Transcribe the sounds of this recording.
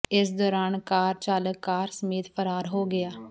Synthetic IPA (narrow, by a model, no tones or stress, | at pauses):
ɪs̬d̪ɔːɾaːnkaːɾt͡ʃaːləkkːaːɾsəmeːt̪pʰəɾaːɾɦoːɡɪaː